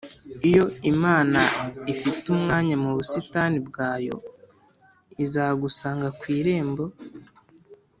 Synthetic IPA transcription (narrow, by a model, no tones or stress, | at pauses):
ijo̞imaːnaifitumŋaːɲamuβusitanibɡaːjo̞̰ | izaːɡusaːŋɡakwiːɾe̞ːmbo̞